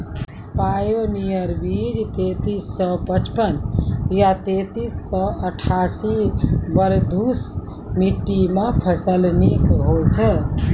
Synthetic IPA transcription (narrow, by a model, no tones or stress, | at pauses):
pajonijəɾbid͡ʒt̪et̪isːɔpət͡ʃpənjat̪et̪isːɔəʈʰasibəɾd̪ʱus | miʈːimãpʰəsəlnikɦot͡ʃʰə